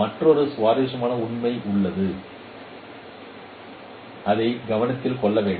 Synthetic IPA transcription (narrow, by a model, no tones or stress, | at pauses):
ɐʈrɔɾɯsʋaːɾeːʂɐmaːnɐʊɳmɐɪʔʊɭːɐðɯ | ʔɐðɐɪɡɐʋɐnɐt̪ːɪlkɔɭːɐʋeːɳɖ